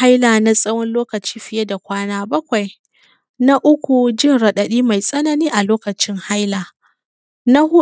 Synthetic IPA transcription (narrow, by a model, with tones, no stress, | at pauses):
ha˦jlaː˨na˦sʼɐ˦wɔ˦nloː˦kɐ˨t͡ʃi̥ː˦ɸɪ˨je˦da˨kʷaː˦naː˦bɐ˦kʷa˨j | na˦ʔʊ˦kʷu˨d͡ʒɪ˦˨nɽɐ˨ɗɐ˨ɗiː˦ma˨jsʼɐ˦nɐ˨niː˦ʔa˨loː˦kɐ˨t͡ʃɪ˦ŋha˦jlaː˨ | na˦hʊ˦